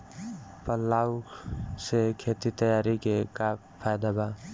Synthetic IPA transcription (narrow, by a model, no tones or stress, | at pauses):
pəlːaːwsekʰet̪it̪əjaːɾikeka | pʰːajd̪aba